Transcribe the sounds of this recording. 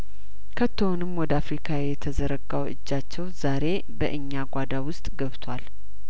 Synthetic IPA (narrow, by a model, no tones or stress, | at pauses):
kʰət̪ʰːəonɨmːwɔd̪əafɾikʰajɛt̪ʰəzəɾəɡawɨ̰d͡ʒːat͡ʃːɛwzaɾe̞ | bəʔɨɲːaɡʷad̪awʊst̪ʼɡəβt̪ʰwal